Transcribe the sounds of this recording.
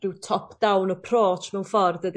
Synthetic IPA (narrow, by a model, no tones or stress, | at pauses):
rɪwtʰɔpʰd̥awnəpʰr̥oːtʰmɛwnfɔrdəd